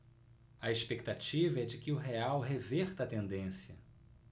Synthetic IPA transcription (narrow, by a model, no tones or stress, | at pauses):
ɐespek̚t̪at͡ʃivɐɛd͡ʒɪkɪʊɦeawɦevɛɾt̪ɐt̪ẽnd̪ẽsjɐ